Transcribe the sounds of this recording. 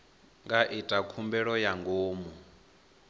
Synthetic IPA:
ŋɡaʔitʼakʰumbɛɺɔjaŋɡoːmu

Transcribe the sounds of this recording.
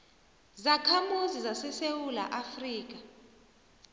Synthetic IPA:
zakʰamuzizasɛsewula̰ʔafriːk̬a

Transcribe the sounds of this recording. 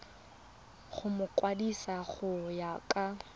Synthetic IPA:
χʊmʊkʼwadisaχʊjakʼa

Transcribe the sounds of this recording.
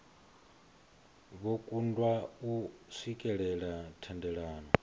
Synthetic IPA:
βokʼundwausikʼɛɺɛɺatʰɛndɛɺaːnɔ

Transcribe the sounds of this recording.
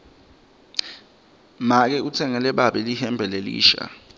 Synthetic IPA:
mak̬ɛut͡sʰɛŋɛlɛɓaɓɛlihɛmbʱɛlelḭːʃa̰

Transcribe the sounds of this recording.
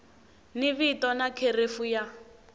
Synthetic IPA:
niβitɔnakʰerefuja

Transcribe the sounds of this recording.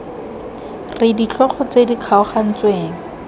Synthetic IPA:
rɪdit͡ɬʰɔχɔt͡sediq͡χʰaɔχan̩t͡sweːŋ̩

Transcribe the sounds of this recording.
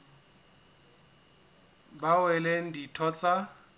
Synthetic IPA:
bawɛlen̩ditʰɔt͡sʼa

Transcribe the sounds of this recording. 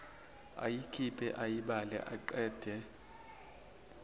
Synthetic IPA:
a̰jikʰipʰɛ̰ʔajiɓalɛ̰ʔaǃɛːd̥ʱɛ

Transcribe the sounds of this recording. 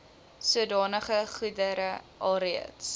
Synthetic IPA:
suədɑːnəχəχudəɾəʔɑlɾiə̰ts

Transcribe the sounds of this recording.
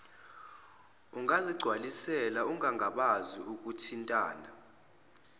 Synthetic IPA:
uŋaziɡ͡ǀʱwalisɛlauŋaŋʱaɓaziuk̬ʼutʰintʼaːna

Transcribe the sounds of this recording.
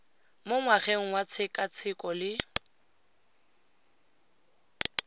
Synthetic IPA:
mʊŋwaχeŋ̩wat͡sʰɪkʼat͡sʰɪkʼɔlɪ

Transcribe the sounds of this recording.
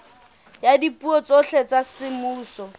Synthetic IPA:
jadipʼuɔt͡sɔɬet͡sasɪmuːsɔ

